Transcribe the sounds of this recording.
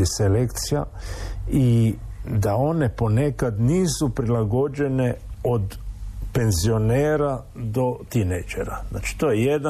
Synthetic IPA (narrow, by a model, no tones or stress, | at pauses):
iselekt̪sija | i | d̪ao̞ne̞po̞ne̞kad̪niːsupɾilaɡo̞d͡ʒe̞ne̞od̪pe̞nzio̞neːɾa | d̪o̞t̪inejd͡ʒḛɾa̰zna̰ːt͡ʃi̥t̪ojejed̪a